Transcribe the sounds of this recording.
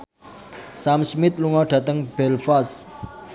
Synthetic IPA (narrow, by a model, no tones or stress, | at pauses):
samsmit̪luŋɔɖ̥a̤t̪əŋb̥ɛlfas